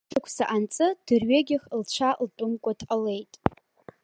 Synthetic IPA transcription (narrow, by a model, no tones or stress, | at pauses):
akʷʰsaʔant͡sʼɨd̥ɨrɥeɡʲɪχlt͡ʃʷʰaltʼʊmkʷʼatʰale̞jtʼ